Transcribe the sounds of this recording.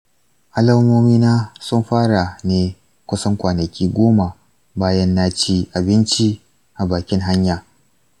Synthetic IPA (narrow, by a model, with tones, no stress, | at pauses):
ʔa˦lɐ˦moː˦miː˦naː˦sʊ˦mɸaː˦ɽa˨neː˦ | kʷʊ˦sɐ˦ŋkʷaː˨nɐ˨kʲiː˦ɡʷoː˦ma˨ | baː˦jɐ˦nːaː˦t͡ʃiː˦ʔa˨bɪ˦nt͡ʃi˦ | ʔa˨baː˨kʲɪ˦ŋɦa˦ɲjaː˨